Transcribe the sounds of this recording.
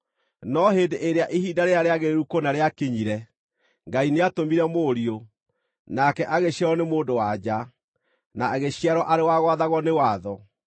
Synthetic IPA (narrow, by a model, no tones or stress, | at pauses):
nɔɦeːndeʔeɾeaʔehiːdaɾeaɾeaɣeɾɾukonaɾeakeɲiɾɛ | ŋɡaineatomiɾɛmoɾio | nakɛʔaɣeɕɛɾɔnemoːdowad͡ʑa | naːɣeɕiaɾɔʔaɾewaɣwaðaɣɔnewaːðɔ